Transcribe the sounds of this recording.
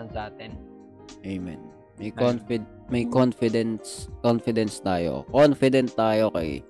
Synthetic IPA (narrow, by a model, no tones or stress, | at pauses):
ɐnsɐʔaːt̪ɛn | ʔɛjmɛ̰n | mɐjkonfɪd̪ | mɐjkonfɪd̪ɛnskonfɪd̪ɛnst̪aːjo̰konfɪd̪ɛnst̪aːjokɐ̰j